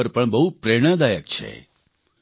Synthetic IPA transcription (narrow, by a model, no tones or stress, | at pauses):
əɾpəɳbəɦupɾeɽ̃ãd̪ajək̚t͡ʃʰḛ